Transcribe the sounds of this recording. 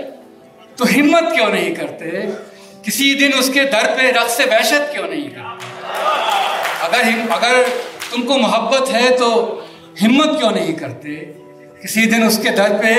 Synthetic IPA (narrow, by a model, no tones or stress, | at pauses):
t̪oɦɪmːət̪kjõːnɐɦĩkɐɾt̪eɦɛ | kɪsid̪ɪnʊsked̪ʱɐɾpeɾɐksebɛːʃət̪̚kjõːnɐɦĩkɐɾt̪e | ɐɡəɾɦɪɐɡəɾt̪ʊmkomʊɦəbːət̪ɦɛt̪o | ɦɪmːət̪kjõnɐɦĩkɐɾt̪eɛ | kɪsid̪ɪnʊsked̪ʱɐɾpe